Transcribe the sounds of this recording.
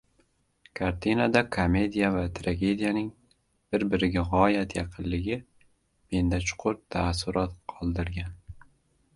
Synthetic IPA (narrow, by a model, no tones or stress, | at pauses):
kʰaɾt̪ʰinad̪akʰome̞d̪ijavat̪ʰɾaɡʲe̞d̪ijanɪŋ | b̥ɪɾbɪɾɪɡʲaʁɒjat̪jɑqʰɨllɪɡʲɪ | me̞nd̪at͡ʃʰʊ̥qʰʊɾt̪ʰasːʊɾʔɒt̪qʰɒlˠd̪ɪɾɡʲan